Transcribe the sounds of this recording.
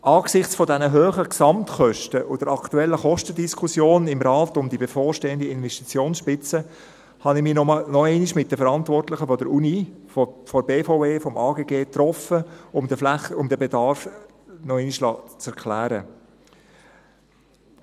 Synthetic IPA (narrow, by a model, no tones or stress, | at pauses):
ʔɑːɡ̥sɪχt͡sfɔdɛnəɦøːχəksɑmt̪χœʃtəʔʊd̥əɾɑktuɛlːəχɔʃtədiskʰusjoːnɪmɾɑːt̪ʊmd̪ibefɔːɾʃteːənd̪əɪnvɛʃtit͡sjoːnsʃpɪt͡sə | hɑnɪmiːnɔmnɔɛɪniʃmɪt̚d̥əfəɾɑnt̪vɔrtlɪχəfɔdəɾuni | fɔɾbeːfoeːfɔmʔɑːɡeːɡeːt̪ɾɔfəʊmdəflɛχʊmd̪əbedɑɾf | nɔɛɪniʃlɑːt͡sɛɾkʰlæːɾə